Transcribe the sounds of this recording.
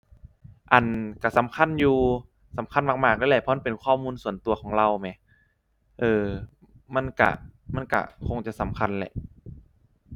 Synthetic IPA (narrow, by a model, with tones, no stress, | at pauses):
ʔa˨˩nka˧˩sa˨˦mkʰa˧˥˨njuː˧ | sa˨˦mkʰa˧˨nmaː˧˩k̚maː˧˩k̚ɛː˧˥lɛː˧˩pʰɔ˧ʔa˧˥˨pe˨˩nkʰɔː˧˥˨muː˧˨nsu˨˩ənt̪u˧ɐkʰɔː˩˦ŋɾa˧˨wmɛ˨˦ | ʔɤː˧ | ma˧˥˨nka̰˧˩ma˧˥˨nka̰˧˩kʰo˧ŋt͡ɕa˨ʔsa˨˦mkʰa˧˨nlɛ̰˧˨ʔ